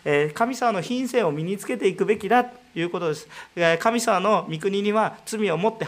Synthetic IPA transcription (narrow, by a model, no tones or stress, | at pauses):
eːkamʲisamano̞çĩɰ̃sẽ̞ɰ̃o̞mʲiɲ̟it͡sɨ̥ke̞t̪e̞ikɯ̟be̞kʲid̪at̪ojɯ̟ːko̞t̪o̞d̪e̞sɨ̥ekamʲisamano̞mʲikɯ̟ɲ̟iɲ̟iβat͡sɨmʲio̞mo̞t̪ːe̞